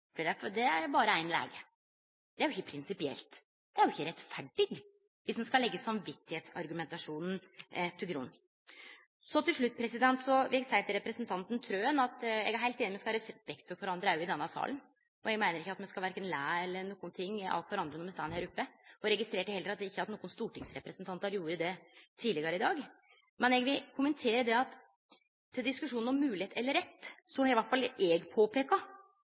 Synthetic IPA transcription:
b̪iɖæfɔd̪ɛæɾbɑːɾəæɪnlæ̰ːɡə | d̪ɛæɾjʊɪçːəpʰɾɪnsɪpɪɛ̰lt̪ | d̪̥ɛæɾjʊɪçːəɾɛt̪fæɖɪɡ | ʋɪsd̪ɛnskɑlɛɡːəsɑmʋɪt̪ːɪheːt̪sɑɾɡʉmɛnt̪ɑʂuːnn̩t̪ʰɪlɡɾṵn | sɔt̪ɪlʂɭʉt̪ːpʰɾɛsɪd̪ɛnt̪sɔʋɪɛɡsæɪt̪ʰɪɾɛpɾəsnt̪ʰɑnt̪n̩t̪ʰɾøːənɑt̪ɛɡæɾɦæɪlt̪eːnɪmɛskɑɑɾsbɛk̚t̪̚fɔkʰʋɔɾɑnd̪ɾəæɾjʊɪd̪ɛnːɑsɑ̰ːln | ɔɛɡmæɪnəɾɪçːəɑt̪mɛnskɑʋæɾkːənlæːɛlːəɾɳuːkːʊnt̪ʰɪŋːɑ̰lt̪ʋæɾɑnd̪ɾənɔmɛst̪æːnheːɾʊpːəɔɾɛɡɪst̪ɾeːʈəhɛld̪ɾɑt̪d̪ɛɪçːəɑt̪nuːənst̪uːʈɪŋsɾɛpɾəsnt̪ʰɑnt̪ɑɾjuːɾəd̪ɛt̪ʰiːlɪɡɑɾəɪd̪ɑːɡ | mɛnɛɡʋɪlkʰʊmənt̪ʰeːɾəd̪ɛɑt̪ʰː | ɪld̪ɪskʉʂuːnɔmːʉːlɪheːt̪ɛlːəɾɛt̪ːsɔhɑɾʋæʈfɑlɛɡpʰoːpʰeːkɑ

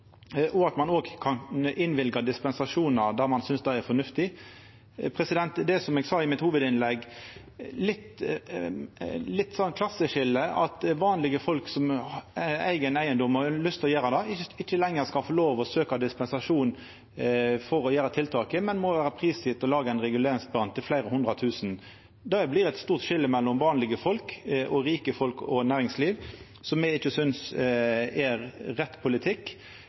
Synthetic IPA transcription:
ʔɔɑt̪mɑnoːɡkʰɑnʔɪnʋɪlɡɑd̪ɪspɛnsɑʂuːnɑɾd̪æʁmɑnsʏnsd̪æɪæɾfɔnʉft̪ɪ | pʰɾɛsɪd̪ɛnt̪d̪ɛsɔmɛːɡsɑːɪmɪt̪huːʋəd̪ɪnlɛɡ | lɪt̪ː | lɪt̪ːsɔnkʰlɑsəʃɪlːəɑt̪ʋɑːnlɪɡəfɔlksɔm | æ̰ɪɡənæɪənd̪ɔmɑlʏst̪ʰɔjæːɾɑd̪ɛɪɪçːəlɛŋːəʁskɑfɔloːʋɔsøːkɑd̪ɪspɛnsɑʂuːn | fɔɾɔjæːɾɑt̪ʰɪlt̪ʰɑːkəmɛnmɔʋæːɾəpʰɾiːsɪːt̪ɔlɑːɡəæɪnʁɛɡʉleːɾɪŋsbɑnt̪ʰɪlflæɪɾəhʊnd̪ɾɑt̪ʰʉːsn | d̪ɛblɪʁɛt̪st̪uːʁt̪ʃɪlːəmɛlːɔmʋɑːnlɪɡəfɔlkʔɔɾiːkəfɔlkɔnæːʁɪŋsliːʋ | sɔmjɛɪçːəsʏns | ɛɾɾɛt̪ːpʰʊlɪt̪ʰɪkː

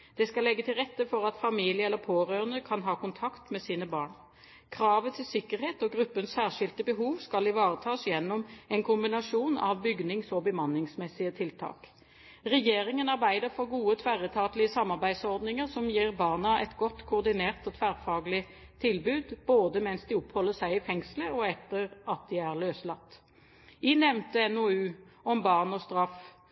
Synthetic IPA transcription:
d̪̥ɛskɑlːɛɡːət̪ʰɪlʁɛt̪ːəfɔɾɑt̪fɑmiːlɪəɛlːəpʰoːʁøːʁənəkʰɑnɦɑːkʊnt̪ʰɑkt̪mɛsiːnəbɑːɳ | kʰɾɑːʋət̪ʰɪlsɪkːəɾheːt̪ɔɡʁʉpːənsæːʁʂɪlt̪əbəɦuːʋskɑlɪʋɑːʁət̪ʰɑːsjɛnːɔmɛnkʰʊmbɪnɑʂuːnɑ̰ʋbʏɡnɪŋsɔbəmɑnːɪŋsmɛsːɪət̪ʰɪlt̪ʰɑ̰ːk | ʁɛjeːɾɪŋənɑʁbæɪd̪əɾfɔɾɡuːət̪ʰʋæʁət̪ʰɑːt̪lɪəsɑmːɑʁbæɪd̪sɔʁd̪nɪŋəʁsɔmjiːʁbɑːʁnɑʔɛt̪ɡɔt̪ːkʰʊːʁd̪ɪneːʁt̪ɔt̪ʰʋæʁfɑːɡlɪ | t̪ʰɪlbʉːd̪boːd̪əmɛnsd̪ɪɔphɔlːəsæɪɪfɛŋsləɔɛt̪ːəɾɑt̪̚d̪ɪæʁløːslɑt̪ː | inɛʋnt̪əɛnoʉːɔmbɑʁnɔst̪ɾɑf

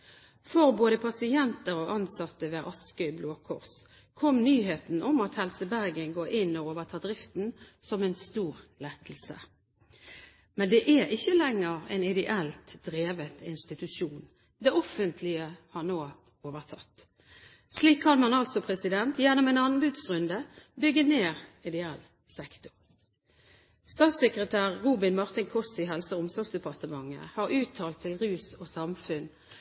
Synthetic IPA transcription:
fɔʁboːd̪əpʰɑsɪɛnt̪əɾɔʔɑnsɑt̪ːəʋeːʔɑskœʏbloːkʰʊʁs | kʰɔmnyːɦeːt̪n̩ʔɔmɑt̪hɛlsəbæʁɡənɡoːʔɪnːɔoːʋəʁt̪ʰɑːd̪ʁɪft̪n̩sɔmɛnst̪uːʁlɛt̪l̩sə̰ | mɛnd̪ɛʔæɾɪçːəlɛŋːəʁɛ̰nɪd̪ɛʔɛlt̪d̪̥ʁeːʋət̪ɪnst̪ɪt̪ʉsuːn | d̪ɛɔfənt̪ʰlɪəhɑʁnoː | oːʋəʁt̪ʰɑ̰t̪ː | sliːkʰkɑnmɑnɑlsɔpʰʁɛsɪd̪ɛnt̪jɛnːʊmɛnɑnnbʉd̪sʁʉnd̪əbʏɡːəneːʁɪd̪ɛɛlː | sɛkt̪ʊ̥ʁ | st̪ɑːt̪sɛkʁət̪ʰæːʁːuːbɪnmɑʁt̪ɪnkʰɔsɪɦɛlsəʊmsɔʁɾɡsd̪ɛpʰɑʁt̪əmɑŋːə̰hɑʁʉːt̪ʰɑːlt̪ʰːɪlʁʉːsɔːsɑmfʉn

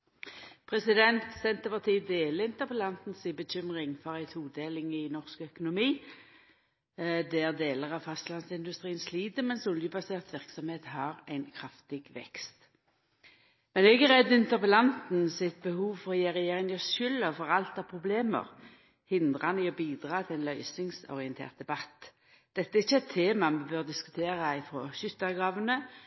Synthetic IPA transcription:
pʰʁɛsɪd̪ɛnt̪sɛnt̪əpɑʁt̪ʰiːd̪eːləɪnt̪əʁpəlɑnt̪n̩sɪbəc͡çʏmʁɪŋfɔʁæɪt̪huːd̪eːlɪŋɪnɔʁskœkʊnʊmiː | d̪ɛæʁd̪eːləʁɑʋfɑst̪lɑnsɪnd̪ʉst̪ʁiːənsliːd̪əmɛnsʊljəbɑseːʁt̪ʋɪʁksɔmheːt̪hɑʁæɪnkʰʁɑft̪ɪɡʋɛ̰kst̪ | mɛnɛɡæʁɛd̪ʉnt̪əʁpəlɑnt̪n̩sɪt̪̚bəhuːʋfɔʁjeːʁɛjeːʁɪŋɪɔʃʏlːəfɔʁɑlt̪ɑʁpʰʁʊbleːmə̰ʁ | hɪnd̪ʁɑnɪɔbiːd̪ʁɑːt̪ʰɪlæɪnlœʏsɪŋsɔ̰ʁɪənt̪ʰḛːʁt̪̚d̪ɛbɑt̪ː | d̪̥ɛt̪ːəæʁɪçːəɛt̪ʰːeːmɑmɛbøːʁd̪ɪskʉ̥t̪ʰeːʁɑɪfɾoːʃʏt̪ːɑɡʁɑːʋənə

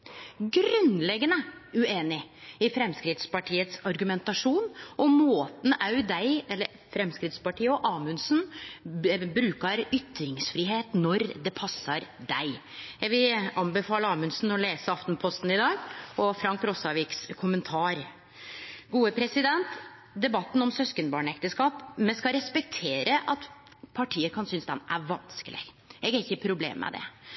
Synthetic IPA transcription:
ɡɾʉnlɛɡːənəʉeːnɪɪfɾɛmskɾɪd̪spɑʈʰiːət̪sɑɾɡʉmɛnt̪ɑʂuːnɔmoːt̪n̩ɑʉd̪æɪɛlːəɾ | fɾɛmskɾɪt̪spɑʈʰiːəɔʔɑːmʉnsn | bɾʉːkɑɾʏt̪ɾɪŋsfɾiːɦeːt̪nɔɾd̪ɛpʰɑsːɑɾd̪æɪ | jæʋɪlɑnbɛfɑːləɑːmʉnsnɔleːsəɑft̪npʰɔst̪n̩ɪd̪ɑːɡɔfɾɑŋkɾɔsɑʋiːkskʰʊmənt̪ʰɑːɾ | ɡuːəpʰɾɛsɪd̪ɛnt̪ | d̪ɛbɑt̪ːn̩ɔmsœskənbɑːɳɛkt̪əskɑːpmɛnskɑɾɛspɛk̚t̪ʰeːɾəʔɑt̪ | pʰɑʈʰiːəkʰɑnsʏnsd̪ɛnæ̰ɾʋɑnskəlɪ̰ɡ | ʔɛɡæɾɪçːəpʰɾʊblḛːmːɛ̰d̪ɛ̰

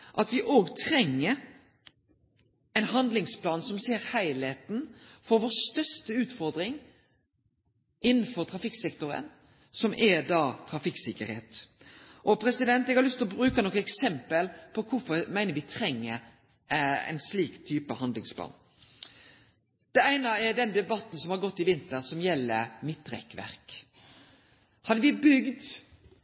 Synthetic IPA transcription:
ʔɑt̪ʋɪʔoːɡt̪ʰɾɛŋːəɾ | ɛɪnɦɑnd̪lɪŋspʰlɑːnsɔmseːɾhæɪlheːt̪n̩fɔɾʋoːst̪œʂt̪əʉːt̪fɔɾd̪ɾɪŋ | ɪnːn̩fɔɾt̪ʰɾɑfɪksɛkt̪ʊɾə̰n | sɔmʔɛd̪ɑːt̪ʰɾɑfɪksɪkəɾhḛːt̪ | ʔɔpʰɾɛsɪd̪ɛnt̪ɛɡhɑɾlʏst̪ʰlɔbɾʉːkənɔkəɛksɛmpəlpʰɔkʰʊfɔɾmæɪnəɾʋɪt̪ʰɾɛŋːə | ɛ̰ɪnsliːkt̪ʰyːpəhɑnd̪lɪŋspʰlɑ̰ːn | d̪̥ɛæɪnəɛd̪ɛnd̪ɛbɑt̪n̩sɔmhɑɾɡɔt̪ːɪʋɪnt̪əɾsɔmjɛlːəɾmɪt̪ːɾɛ̰kʋæ̰ɾk | hɑd̪ːəʋɪbʏɡd̪

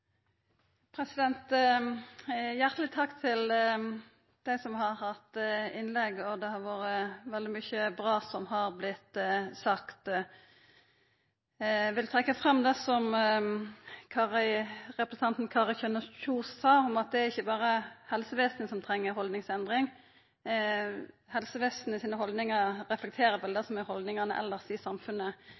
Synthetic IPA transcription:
pʰɾɛsɪd̪ɛnt̪ | jæʁt̪əlɪt̪ʰɑkːt̪ʰɪl | d̪̥æɪsɔmhɑʁhɑt̪ɪnlɛɡɔd̪ɛhɑɾʋoːɾəʋɛld̪ɪmyçəbʁɑːsɔmhɑɾblɪt̪ːsɑkt̪ | ʋɪlt̪ʰʁɛkːəfʁɑmd̪ɛsɔm | kʰɑʁəʁɛpɾəsən̩ɑnt̪n̩kʰɑːʁɪçønəçuːssɑːɔmɑt̪̚d̪ɛæɾɪçːəbɑːɾəhɛlsəʋeːsnsɔmt̪ʰɾɛŋːəɾhɔld̪nɪŋsɛnd̪ʁɪŋ | hɛlsəʋeːsnɪsiːnəɦɔld̪nɪŋɑɾʁɛflɛk̚t̪ʰeːɾəʋɛld̪ɛsɔmæhɔld̪nɪŋɑnəʔɛ̰lːəʁsisɑmfʉnːə

